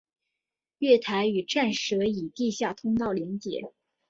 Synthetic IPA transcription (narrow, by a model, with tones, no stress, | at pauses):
ɥɛ˥˩t̪ʰa˧˥ɪy˨˩ʈ͡ʂa˥˩nʂɤ˧˥i˨˩t̪i˥˧ɕja˥˩t̪ʰʊ˥ŋt̪ɑ˥˩ʊljɛ˧˥nt͡ɕjɛ̰˨˩˦